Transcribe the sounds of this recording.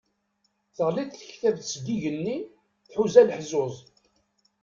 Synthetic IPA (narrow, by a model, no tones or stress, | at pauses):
θəʁliθθəçθævθsd̪iʝənːi | θħuzæləħzʊzˤ